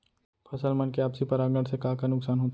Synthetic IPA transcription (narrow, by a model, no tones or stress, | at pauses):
pʰɐsəlmɐnkeaːpsipɐɾaːɡəɽ̃sekaːkanʊksaːnɦoːt̪a